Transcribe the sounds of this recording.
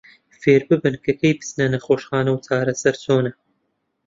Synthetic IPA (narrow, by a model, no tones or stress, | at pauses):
feːɾbɨbɨnkʰɐkʰɐjpɨ̥snɐnɐχoːʃχaːnɐwt͡sʰaːɾɐsɐɾt͡soːnɐ